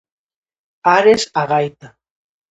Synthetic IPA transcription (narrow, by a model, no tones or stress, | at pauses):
aɾesaɣajt̪a